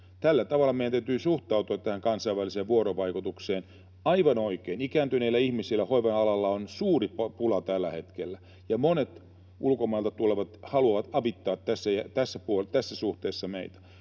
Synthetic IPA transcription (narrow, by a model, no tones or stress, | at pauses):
t̪ælːæt̪ɑʋɑlːˑɑmeijænt̪æyt̪yːsuht̪ɑut̪uɑt̪t̪ːæhæŋkɑnsɑiʋælːˑiseʋʋuoɾoʋɑikut̪ukseːn | ɑiʋɑnoikeːnikæːnt̪yneilːæihmisilːæhoiʋɑnɑlɑlːɑonsuːrippulɑt̪ælːæhet̪kelːæ | jɑmonet̪ | ʔulkomɑilt̪ɑt̪uleʋɑt̪hɑluɑʋɑt̪ɑbit̪ːɑːt̪t̪æsːæjæt̪æsːæpuolt̪æsːæsuht̪eːsːɑmḛit̪æ̥